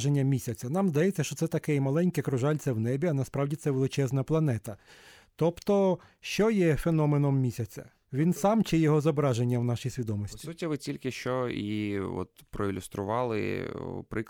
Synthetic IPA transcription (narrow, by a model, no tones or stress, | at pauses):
ʒenʲːɐmʲisʲɐt͡sʲɐnɑmzd̪ɐjɛt͡sʲːɐʃt͡ʃɔt̪sɛt̪ɐkɛjmɐlˠɛnʲkɛkɾʊʒɑlʲt͡sʲɐwnɛbʲiɐnɐspɾɑwdʲit̪sɛʋelˠɪt͡ʃɛznɐplˠɐnɛt̪ɐ | t̪ɔpt̪ɔ | ʃt͡ʃɔjɛfenɔmenɔmːʲisʲɐt͡sʲɐ̰ | ʋʲinsɑmt͡ʃɪjɔɦɔzɔbɾɑʒenʲːɐwnɑʃijsʲʋʲid̪ɔmɔsʲtʲi̥utʲiʋɪt͡sʲilʲkɪʃt͡ʃɔiɔ̰t̪pɾɔilʲʊst̪ɾʊʋɑlˠɪ̰pɾɪk